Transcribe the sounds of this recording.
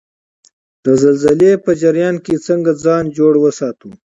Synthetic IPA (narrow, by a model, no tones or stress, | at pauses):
d̪̥əzɐlzəlepəd͡ʒɐɾjɑːnket͡səŋɡad͡zɑːnd͡ʒoːɽwəsɑːt̪u